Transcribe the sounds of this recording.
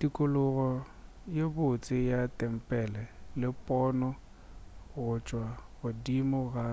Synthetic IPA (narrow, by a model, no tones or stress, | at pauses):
dikʼʊlʊɣɔ | jebʊt͡sʼɪjatʼɛm̩pʼɛlɛlɪpʼɔːnɔ | ɣʊt͡ʃʼwaɣʊdimʊɣa